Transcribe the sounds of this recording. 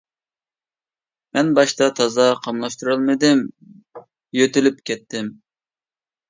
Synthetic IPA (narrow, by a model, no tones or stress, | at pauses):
mɛnbɑʃt̪ɑt̪ʰɑzɑqʰɑmlˠɑʃt̪uɾɨlˠmɨd̪ɪm | jøt̪ɪlypkʲɛt̪ːɪm